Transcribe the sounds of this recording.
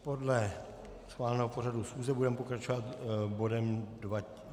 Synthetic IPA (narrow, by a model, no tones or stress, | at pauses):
po̞dlɛ | sxvaːlnɛːɦopo̞ɾadusxuːzɛbudɛmɛpokɾat͡ʃovat̪bo̞dɛmdva